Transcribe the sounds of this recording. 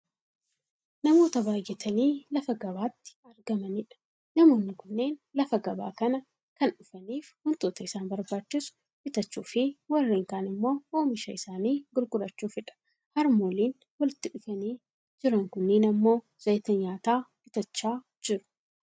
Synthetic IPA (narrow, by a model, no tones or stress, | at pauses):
nɐmo̞ːt̪ɐbaːjːɛt̪ʰɐniːlɐfɐɡɐbaːt̪ːɪ̥ɐɾɡɐmɐnɪᶑɐ̥ | nɐmo̞ːnːɪkʊnːe̞ːnlɐfɐɡɐba̰ːkɐnɐ | kɐnᶑʊfɐniːfhʊnt̪oːt̪ɐɪsaːnbɐɾbaːt͡ʃːɪsʊ̥ | ʔɪt̪ɐt͡ʃːuːfɪwɐrːeːŋkaːnɪmːo̞ːoːmɪʃɐɪsaːniːɡʊlɡʼʊɾɐt͡ʃːuːfɪᶑɐ̥ | hɐɾmoːliːn | wɐlɪt̪ːɪᶑʊfɐniː | d͡ʒɪɾɐŋkʊnːeːnɐmːo̞ː | z̥ɐjt̪ɐɲaːt̪aːbɪt̪ɐt͡ʃːaː | d͡ʒɪɾʊ̥